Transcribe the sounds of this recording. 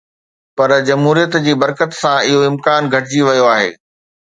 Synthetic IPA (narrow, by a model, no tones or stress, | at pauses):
pɐɾd͡ʑɐmɦuːɾijət̪d͡ʑiːbɐɾkət̪sãɪɦoɪ̃mkaːnɡʱɐʈɪd͡ʑiʋɐjoaːɦḛː